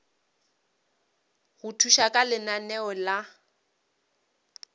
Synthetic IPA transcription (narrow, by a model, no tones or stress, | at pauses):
ɣʊtʰuʃakʼalɪnanɛɔla